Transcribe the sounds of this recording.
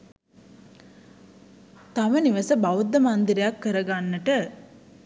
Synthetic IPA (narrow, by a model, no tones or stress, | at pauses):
t̪aməniʋəsəbaʋud̪ːəmand̪iɾijakːəɾəɡanːəʈə